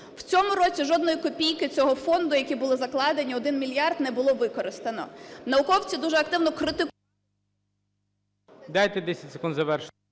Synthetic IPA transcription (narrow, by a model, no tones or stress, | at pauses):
w̥t͡sʲɔmʊɾɔt͡sʲiʒɔd̪nɔjikɔpʲijkɪt͡sʲɔɦɔfɔnd̪ʊjɐkʲibʊlˠɪzɐklˠɑd̪enʲiɔd̪ɪnmʲilʲjɑrd̪nɛbʊlˠɔʋɪkɔɾɪst̪ɐnɔ̰nɐʊkɔwt͡sʲid̪uʒɛɐk̚t̪ɪwnɔkɾɪt̪ɪ | d̪ɑjt̪ɛd̪ɛsʲɐtʲse̥kund̪zɐʋɛrʃ